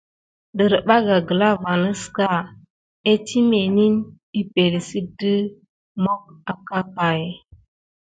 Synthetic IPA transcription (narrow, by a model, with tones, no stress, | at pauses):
də˨ɾə˨ɓa˦ɡa˨ɡə˨la˦va˨nə˦ska˦˨ | e˦tʰi˦me˨ni˦n | i˦pe˨li˨si˦b̚də˦ | mo˦k̚a˨ka˦pa˨j